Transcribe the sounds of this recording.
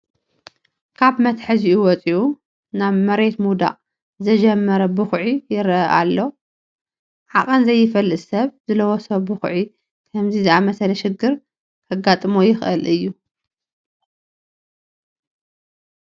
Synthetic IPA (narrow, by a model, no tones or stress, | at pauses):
kʰaβmɐt̪ħɨziʔuwɔt͡sʼiʔu | naβmɐɾe̞t̪mud̪a̰ʔʼ | zɐd͡ʒɐmːɐɾɐbɨxʕijɪɾɐʔa̰lːo̞ | ʕaχʼɐnzɐjːɪfɐlːɨsɐβzɨlɐwosɐbɨxʕi | kʰɐmzizɨʔamɐsɐlɐʃɪɡɨɾ | kʰɐɡat̪ʼmojɪxʔɨlɨjːu